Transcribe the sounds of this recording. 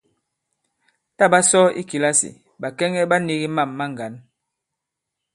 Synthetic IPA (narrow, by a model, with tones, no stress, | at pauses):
ta˦˨ba˦sɔ˦ḭ˦ki˨la˦sḭ˨ | ba˨kɛ˦ŋɛ˦ba˦ni˦ɣi˦ma˦˨mːa˦ŋ˨ɡa˨˦n